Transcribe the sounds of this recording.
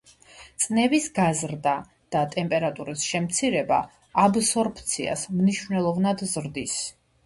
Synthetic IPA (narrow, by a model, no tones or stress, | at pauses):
t̪sʼnɛvisɡazɾd̪a | d̪̥at̪ʼɛmpʼɛɾat̪ʼuɾisʃɛmt̪sʰiɾɛba̰ː | bsɔɾpʰʼt̪sʰia̰smniʃvnɛlˠɔvnad̪zɾd̪is